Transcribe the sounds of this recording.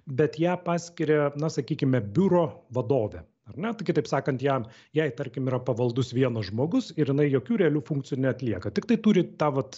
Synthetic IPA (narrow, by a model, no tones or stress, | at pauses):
bʲɛt̪jæːpɑːsʲkʲɪɾʲɛnɐsɐkʲiːkʲɪmʲɛbʲʊɾoːʋɐd̪oːʋʲɛ | ɐrnʲɛt̪ʊkʲɪt̪ɐɪpsɑːkɐnt̪jæm | jɛɪt̪ɐɾʲkʲɪmiːɾɐpɐʋɐlˠd̪ʊsʋʲiɛnɐsʒmoːɡʊsɪɾjɪnɐɪjoːkʲuːɾʲɛɐlʲuːfʊŋk̚t͡s̪ʲɪjuːnʲɛɐt̪ʲlʲiɛkɐt̪ʲɪkt̪ɐɪt̪uːɾʲɪt̪ɑːʋɐt̪